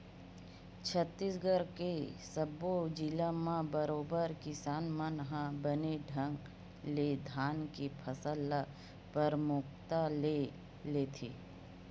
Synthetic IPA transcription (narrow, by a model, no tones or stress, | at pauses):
t͡ʃʰət̪ːiːsɡəɾkesəbod͡ʒilamãbəɾoːbəɾkɪsaːnmãnɦãbəneɖʱə̃ŋɡ | led̪ʱaːnkipʰəsəlːa | pəɾmʊk̚t̪ale | leːt̪ʰiː